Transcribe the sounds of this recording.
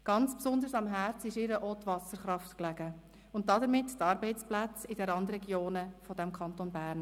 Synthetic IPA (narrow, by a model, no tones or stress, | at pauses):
ɡ̥ɑnt͡spsʊnd̪əsɑmɦæɾt͡sɪʃɪɾəʔɔt̪vɑsəɾχɾɑftklæɡə | ʊnt̚dɑdəɾmɪttɑːɾbɛɪt͡splæt͡sɪdɛɾɑndɾɛɡjoːnəfɔdæmkʰɑntonbæːɾn